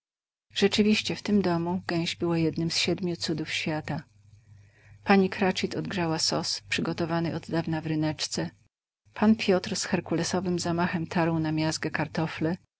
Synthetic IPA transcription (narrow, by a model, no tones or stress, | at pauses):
ʐ̥ɛt͡ʂɘvʲiɕt͡ɕɛft̪ɘmd̪ɔmuɡɛ̃w̃ʑbɘwajɛd̪nɘmsɕɛd̪mʲjut̪sud̪ufɕfʲjat̪a | paɲikɾat͡ʂit̪ɔd̪̚ɡʐawasɔspʂɘɡɔt̪ɔvanɘʔɔd̪d̪avnavɾɘnɛt͡ʂt̪sɛ | pʰanpʲjɔt̪ɾsxɛɾkulɛsɔvɘmzamaxɛmt̪ʰaɾwnamʲjasɡɛkaɾt̪ɔflɛ